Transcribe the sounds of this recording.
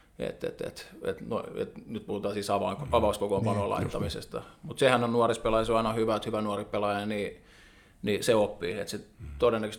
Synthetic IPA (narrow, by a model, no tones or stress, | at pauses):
ḛt̪ḛt̪ḛt̪ḛt̪no̰iḛt̪nyt̪̚puhut̪ɑːsiːst̪ɑʋɑɑʋɑuskokompɑnoːlɑ̰it̪ːɑmisḛst̪ɑ̰mut̪sehænonnuorispelɑjɑsɑinɑhyʋæot̪hyʋænuoripelɑjɑni | niseopːiːet̪set̪odenːækøst̪